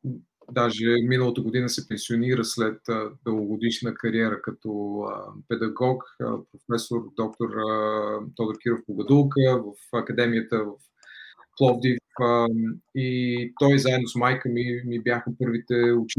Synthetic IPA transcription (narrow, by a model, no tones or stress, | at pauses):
d̪aʒɛminəlˠət̪əɡod̪inəsɛpɛnsioniɾəslɛt̪əd̪əoɡod̪iʃnəkɐɾiɛɾəkɐt̪ɔ̰pɛd̪ɐɡɔkə̰pɾofɛsoɾd̪ɔk̚t̪oɾ | t̪ɔd̪əɾkiɾofboɡɐd̪ulˠkəvəfɐkɐd̪ɛmijət̪əvəf | plˠɔvd̪ifəit̪ɔjzaɛd̪nosmajkəmimibjaxəpɤɾvit̪ɛʊt͡ʃ